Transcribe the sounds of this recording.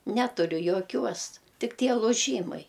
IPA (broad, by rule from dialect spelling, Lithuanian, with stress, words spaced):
ˈnʲæːtʊrʲʊ joːˈkʲuɔs ˈtʲɪk ˈtʲiɛ lˠʊˈʒʲiːmɐɪ